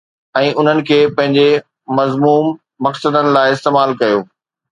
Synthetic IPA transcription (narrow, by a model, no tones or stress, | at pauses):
ɛ̃ːʔʊn̤ənɪ̆kʰeːpɐ̃ɦɪ̃ɲd͡ʑe | mɐzmuːmː | ɐksəd̪ənɪ̆laːɪɪst̪eːmaːlkɐjoː